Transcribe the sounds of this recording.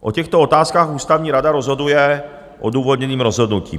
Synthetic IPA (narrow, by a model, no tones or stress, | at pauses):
ʔocɛxt̪oot̪aːskaːxuːst̪avɲiːɾadaɾozɦo̞dujɛ | ʔoduːvod̪ɲɛniːmɾo̞zɦo̞dnucḭːm